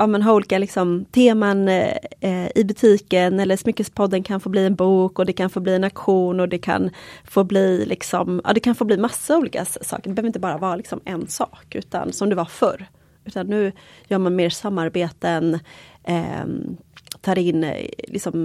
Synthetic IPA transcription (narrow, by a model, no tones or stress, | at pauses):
ʔɑːmɛnɦaɾuːliːkalɪksɔmt̪ʰeːman | ɪbɵt̪ʰiːkənɛlːəʂmʏkːəspʰɔd̪ːənkʰanfoːbliːɛnbuːkɔd̪ɛkʰanfoːbliːɛnakɧuːnɔd̪ɛkʰa̰nfoːbliːlʔɪksɔmʔɑ̰ːd̪ɛkʰanfoːbliːmasːauːliːka̰sɑ̰ːkəɖɛbɛœvɾɪnt̪əbɑːɾavɑːɾlɪksɔmɛnsɑ̰ːkʉ̟̰ːt̪a̰nsɔmd̪ɵvafœ̰ɾ | ʉ̟ːt̪anːʉ̟ːjœːɾmanmeːɾsamːaɾbeːt̪ən̰ | t̪ʰɑːɾɪnːlɪ̰ksɔm